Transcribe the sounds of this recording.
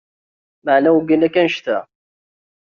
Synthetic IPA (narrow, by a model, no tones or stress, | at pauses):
məʕnæwɡinækːænʃt̪æ